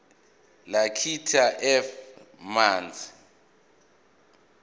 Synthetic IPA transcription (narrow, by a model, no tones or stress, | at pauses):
lakʰitʰaʔɛfmaːnd͡zʰʱʼi